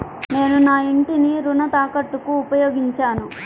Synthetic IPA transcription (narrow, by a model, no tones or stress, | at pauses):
ne̞ːnunaːiɳʈiniɾunɐt̪aːkɐʈːukuːpɐjoːɡiɲt͡ʃaːnu